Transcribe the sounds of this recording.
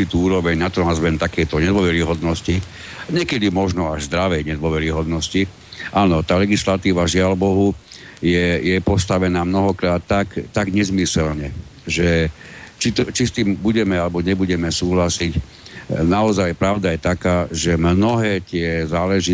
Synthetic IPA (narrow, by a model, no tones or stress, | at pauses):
it̪uːuːɾɔʋɛɲnat̪ɔnazmɛnt̪akɛjt̪ɔɲɛd̪ʋɔʋɛɾiɦɔd̪nɔsci | ɲɪɛkɛd̪imɔʒnɔaʒzd̪ɾaʋɛjɲɛd̪ʋɔʋɛɾiɦɔd̪nɔsci | ʔaːnɔt̪aːlɛɡislat̪iːʋaʒɪalbɔɦu | jɛjɛpɔst̪aʋɛnaːmnɔɦɔkɾaːt̪ːakːaɡɲɛzmisɛlɲɛʒɛ | t͡ʃit̪ɔt͡ʃist̪iːmbuɟɛmɛalɛbɔɲɛbuɟɛmɛsuːɦlasic | naɔzajpɾaʊd̪ajɛt̪akaːʒɛmnɔɦɛːt̪ɪɛzaːlɛʒi